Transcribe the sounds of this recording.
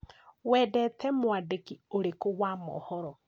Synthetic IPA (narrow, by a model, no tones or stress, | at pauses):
wɛːdɛtʰɛmwadekioɾekowamɔ̰hɔɾɔ